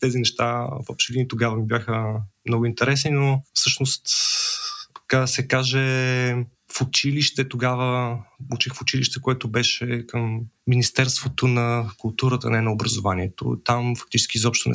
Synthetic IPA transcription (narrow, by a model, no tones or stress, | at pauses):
t̪ɛzinɛʃt̪avɔ̰pʃɛd̪init̪oɡavəmibjaxəmnɔɡʊint̪ɛɾɛsninofsɤʃnost̪ | kad̪sɛkaʒɛ | fʊt͡ʃiliʃt̪ɛt̪oɡavəut͡ʃixfʊt͡ʃiliʃt̪ɛkoɛt̪ʊbɛʃɛkəmːinist̪ɛɾst̪vot̪onɐkʊlˠt̪uɾət̪ə̰nɛnɐobɾɐzovaniɛt̪o̰t̪amfɐk̚t̪it͡ʃɛ̥skʲizɔpʃt̪onɛ̰